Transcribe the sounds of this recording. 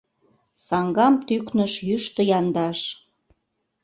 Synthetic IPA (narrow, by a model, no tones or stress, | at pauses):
sɑŋɡɑmt̪yknə̆ʃjyʃt̪ə̆jɑnd̪ɑʃ